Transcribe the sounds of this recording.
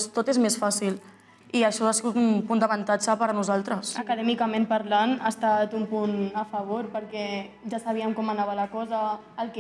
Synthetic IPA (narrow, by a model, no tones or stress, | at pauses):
st̪ot̪ezmesfasil | iəʃɔasiɣut̪unpund̪əβənt̪ad͡ʒəpəɾnuzalˠt̪ɾəsəkəðɛmikamẽmpaɾlanast̪at̪umpunəfəβ̞oɾpəɾkɛʒasaβ̞iəmkɔmanaβəlakɔzəː | lˠk